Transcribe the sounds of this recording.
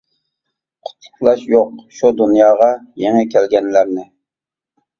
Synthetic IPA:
qʰʊ̥t̪ʰlʊ̥χlˠɑʃjoqʃud̪unjɑːʁɑjeŋɛkʲʰɛlɡʲɛnlæɾnɪ

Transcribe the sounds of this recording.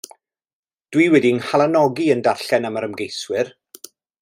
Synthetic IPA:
d̥wiwɛdiənhalˠanɔɡiəndarɬɛnamaɾəmɡejswɪr

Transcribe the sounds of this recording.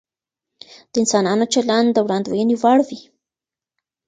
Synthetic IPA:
d̪̥əɪnsɑnɑnot͡ʃaland̪əwɽɑnd̪wajəniwaɽwi

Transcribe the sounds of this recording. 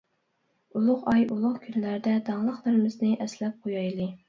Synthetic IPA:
ulˠʊqɑjulˠʊqkʲʰynlæɾd̪ɛd̪ɑŋlˠəχlˠɨɾɪmɪznɪʔɛslɛp̚qʰojɑjlˠɨ

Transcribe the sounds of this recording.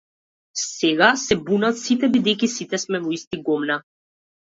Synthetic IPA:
sɛɡasɛbunat̪sit̪ɛbid̪ɛjkisit̪ɛsmɛvɔist̪iɡɔmna

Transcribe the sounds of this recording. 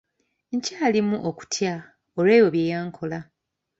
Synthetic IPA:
ɲcaːlimuʔoku̥tʰja | oleːjo̞βjeːjaːŋkʰo̞la

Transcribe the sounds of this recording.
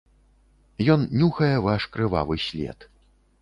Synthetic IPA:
jɔnnʲuxɐjɛvaʂkɾɨva̰vɨsʲlʲɛ̰t̪

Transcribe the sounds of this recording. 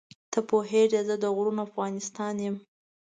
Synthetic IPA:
t̪ʰəpoɦeʐazəd̪əɣɽunoafɣɑnɪst̪ɑnjem

